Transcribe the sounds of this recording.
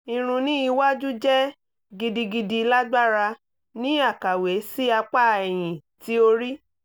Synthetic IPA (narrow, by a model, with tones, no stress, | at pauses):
ĩ˧ɾ̃ũ˧nĩ˦i˧wa˦d͡ʒu˦d͡ʒɛ˦ | ɡi˧di˧ɡi˧di˧la˦ɡ͡ba˦ɾa˧ | nĩ˦a˦˨ka˨we˨˦si˦a˧k͡pa˦˨ɛ˨j̃ĩ˨ti˨˦o˧ɾi˦